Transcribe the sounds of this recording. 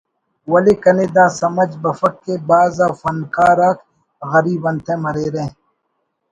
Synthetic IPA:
wɐleːkɐneːd̪aːsɐmɐd͡ʒbɐfɐkːebaːzaːfɐnkaːɾaːk | ɣɐɾiːbɐnt̪ʰẽmɐɾeːɾẽː

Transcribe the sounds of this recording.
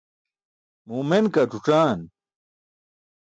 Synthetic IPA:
mumenkɐʈ͡ʂuʈ͡ʂaːn

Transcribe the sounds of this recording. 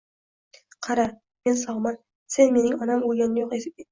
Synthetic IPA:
qʰɑɾɑ | mensɒʁmɑn | senmenɪŋɒnɑmujɡɑnjoqe

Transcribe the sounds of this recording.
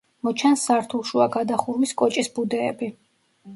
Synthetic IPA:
mɔt͡ʃʰansaɾt̪ʰulˠʃuaɡad̪aχuɾmiskʼɔt͡ʃʼisbud̪ɛ̰ːbi

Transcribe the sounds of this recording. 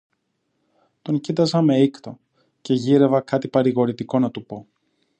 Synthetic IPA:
t̪o̞ɲcit̪ɐzɐme̞ikt̪o̞ | ce̞ʝiɾe̞vɐkɐt̪ipɐɾiɣo̞ɾit̪iko̞nɐt̪upo̞

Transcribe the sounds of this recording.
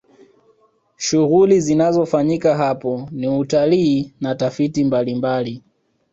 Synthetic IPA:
ʃuɣulizinazɔfaɲikaɦapɔniutaliːnatafitimbalimbali

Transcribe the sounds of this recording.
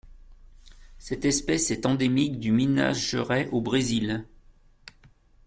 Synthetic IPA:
sɛt̪ɛspɛsɛt̪ɑ̃d̪emikd̪ymina̰ʒʒəʁɛʔobʁezil

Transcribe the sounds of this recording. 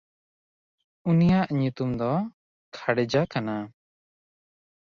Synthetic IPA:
unijaʔɲut̪umd̪ɔ | kʰaɽɛd͡ʒakana

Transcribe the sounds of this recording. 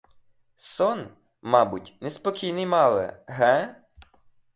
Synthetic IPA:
sɔn | mɑbʊtʲnespɔkʲijnɪjmɑlˠɛ̰ɦɛ

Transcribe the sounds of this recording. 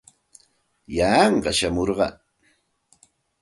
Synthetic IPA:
jaːɴɢɑʃamoɾɢɑ̰

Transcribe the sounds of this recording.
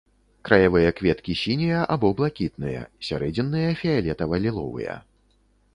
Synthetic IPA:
kɾɐjavɨjɐkvʲɛt̪kʲisʲinʲijɐʔabɔblˠakʲit̪̚nɨjɐ̰sʲa̰ɾɛd͡zʲɛnːɨjɐfʲialʲɛt̪ɐvɐlʲilˠɔ̰vɨ̰jɐ̰

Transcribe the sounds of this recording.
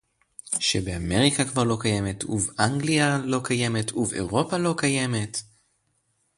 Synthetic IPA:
ʃebeame̞ʁikakvaʁlo̞kaje̞me̞tuvaŋɡlialo̞kʰaje̞me̞tʰuveʁo̞palo̞kaje̞me̞t

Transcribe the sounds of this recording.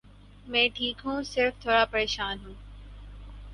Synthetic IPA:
mɛ̃ːʈʰiːkɦũːsɪɾft̪ʰoːɽaːpɐɾeːʃaːnɦũː

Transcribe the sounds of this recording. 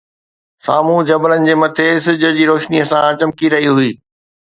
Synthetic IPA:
sa̰ːmũd͡ʑɐblənɪ̆d͡ʑeːmɐt̪ʰesɪd͡ʑə̆d͡ʑiːɾoːʃniəsãt͡ɕɐmkiɾɐɦiɦuiː

